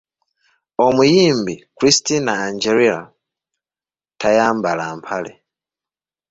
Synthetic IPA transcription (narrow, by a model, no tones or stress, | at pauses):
omujiːmbikɾistinaːɲd͡ʒeɾiɾa̰ | tʰajaːmbalampʰalḛ